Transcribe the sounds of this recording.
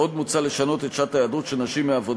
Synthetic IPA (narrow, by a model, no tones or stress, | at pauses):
o̞d̪mut͡saleʃano̞t̪et̪ʃat̪ajadut̪ʃenaʃimːeavo̞d